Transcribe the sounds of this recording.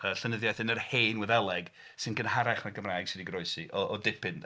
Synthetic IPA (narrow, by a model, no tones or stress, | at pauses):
əɬənəðjajθɨnərheːnwɛðɛlˠɛɡ̥ | sɨnɡənhaɾaχmaɡəmrajɡ̥sɪdiɡrɔɨsiʔɔʔɔdɪpʰɪn